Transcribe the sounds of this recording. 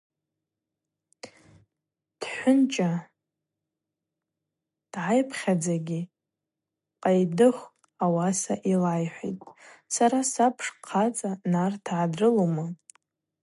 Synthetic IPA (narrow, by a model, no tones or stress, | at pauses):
d̥ħʷʊnt͡ʃʼa | d̥ʕajpʰχʲad͡zaɡʲi | qʼajdɨχ | awasaʔilajħʷḭtʼsaɾasapʰʂqʰat͡sʼanartʰʕadrɨlomɨ